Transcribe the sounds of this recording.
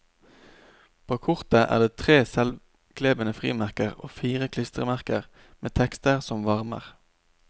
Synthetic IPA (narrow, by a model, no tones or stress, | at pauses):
pʰoːkʰʊʁt̪əʔæ̰ːʁd̪eːt̪ʰʁeːsɛl | kʰleːbənəfʁḭːmæʁkəʁo̰ːfiːʁəkʰlɪst̪ʁəmæʁkəʁ | meːt̪ʰɛkst̪əʁsɔmʋɑʁmə̰ʁ